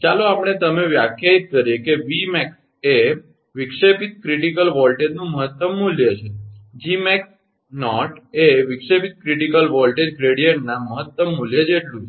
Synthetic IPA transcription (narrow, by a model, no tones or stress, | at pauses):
t͡ʃaloapəɳ̃et̪əmeʋjakʰjait̪̚kəɾjekeʋimɛks | e | ʋɪkʂepit̪̚kɾiʈikəlʋɔlʈed͡ʒnũməɦət̪ːəmːuljət͡ʃʰed͡ʒimɛks | nɔʈeʋɪkʂepit̪̚kɾiʈikəlʋɔlʈed͡ʒɡɾeɽijəɳʈnaməɦət̪ːəmːuljəd͡ʒʰeʈlũt͡ʃʰ